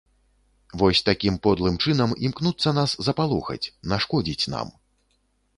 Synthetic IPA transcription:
vɔsʲt̪akʲimpɔd̪lˠɨmt͡ʂɨnɐmimknut̪sːɐnaszɐpalˠɔxɐ̰t͡sʲnaʂkɔd͡zʲit͡sʲna̰m

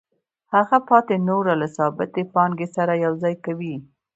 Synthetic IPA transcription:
haɣapɑt̪enoɾalasɑbɪt̪epɑŋɡesaɾajawzɑjkawi

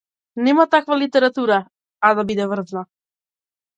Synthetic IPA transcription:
nɛmat̪akvalit̪ɛɾat̪uɾaː | d̪abid̪ɛvr̩zna

